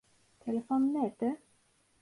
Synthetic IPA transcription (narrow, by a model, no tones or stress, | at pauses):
t̪ʰɛləfoːnːɛːt̪ə